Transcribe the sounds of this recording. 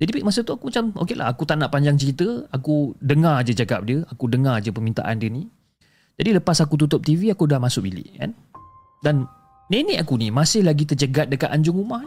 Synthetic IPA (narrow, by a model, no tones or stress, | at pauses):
d͡ʒadipik̚masət̪uakumat͡ʃamo̰kelʔa̰ɦakut̪anaʔpaɲd͡ʒaŋt͡ʃəɾit̪əakudəŋard͡ʒəd͡ʒaɡa̰p̚diəakudəŋard͡ʒəpəmint̪a̰ʔa̰ndiəni | d͡ʒadiləpasakut̪ut̪ʊp̚t̪iviakudahmasʊk̚bilɪ̰ʔka̰n | dan | neneʔakunimasɪhlaɡit̪ərd͡ʒəɡat̪̚dəkat̪ʔaɲd͡ʒʊŋumah